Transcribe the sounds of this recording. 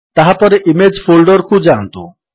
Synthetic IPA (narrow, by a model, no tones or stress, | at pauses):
t̪aɦapɔɾeʔimed͡ʑfʰolɖoɾkʰud͡ʒant̪ṵ